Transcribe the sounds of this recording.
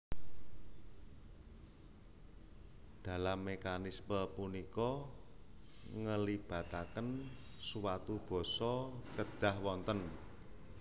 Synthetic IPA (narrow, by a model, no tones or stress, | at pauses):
d̪̥a̤lamːekanisməpunikɔ | ŋəlib̥a̤t̪akənsuwat̪ub̥ɔ̤sɔkəɖ̪̥a̤hwɔnt̪ən